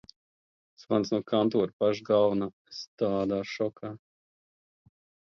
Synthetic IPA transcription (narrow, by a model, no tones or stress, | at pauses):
svansnuɔkant̪uːɾpaʒɡalna | st̪aːd̪aːʃɔkʰaː